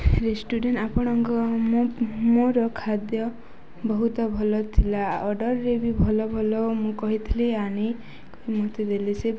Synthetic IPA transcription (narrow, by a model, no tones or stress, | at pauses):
ɾesʈuɖeɳapɔɽ̃ɔŋkɔmmoɾɔkʰad̪jɔ | bɔɦut̪ɔbʱɔlɔt̪ʰilaɔɖɔɾɾebibʱɔlɔbʱɔlɔmũkɔɦit̪ʰiliani | koimot̪ed̪elise